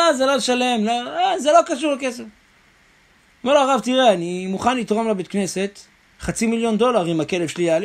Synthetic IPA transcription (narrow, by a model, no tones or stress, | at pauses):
azelolʃale̞mloazelo̞kaʃuʁleke̞sef | meʁloaʁavt̪iʁeanimuχanlit̪ʁomlebet̪̚kne̞se̞t̪ | χat͡similjo̞nd̪o̞laʁimake̞levʃeliali